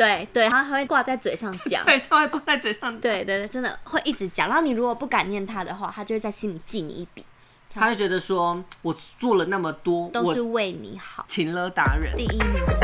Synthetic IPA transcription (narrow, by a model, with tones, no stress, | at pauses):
t̪we˥˩ɪt̪we˥˩ɪa˥a˧˩xwe˥˩ɪkwa˥˧t͡sa˥˧ɪt͡swe˨˩ɪʂɑ˥˧ŋt͡ɕjɑ̰˨˦ŋe˥˩ɪt̪ʰa˥xwe˥˧ɪkwa˥˧t͡sa˥˩ɪt͡swe˨˩ɪʂɑ˥˧ŋt̪we˥˩˧ɪt̪we˥˧t̪ʈ͡ʂə˥nd̪ə̰˨˩xwe˥˧ɪʔi˥˩ʈ͡ʂɻ̩˧˥t͡ɕjɑ̰˨˩ŋɻɑ˥˩ni˨˩ɻu˧˥kwɔ˨˩pu˥˩ka˨˩njɛ˥˩nt̪ʰa˥d̪ə˨xwa̰˥˩t̪ʰa˥t͡ɕo˥˧ʂɻ̩˥˩t͡sa˥˩ɪɕi˦˥nli˨˩t͡ɕi˥˩nḭ˨˩i˥˩pi˨˩˦ | a˥we˥˩ɪt͡ɕɥɛ˧˥d̪ə˧ʂwɔ˥wɔ˨˩t͡swɔ˥˩lə˩na˥˩mə˩t̪wɔ˥t̪o˥ʊwɔ˨ʂɻ̩˥˧we˥˩ɪnḭ˨˩˦xɑɑ˨˩˦t͡ɕʰi˧˥nlɤ˧˥t̪a˧˥ɻə̰˨˩˦nt̪i˥˧˩i˥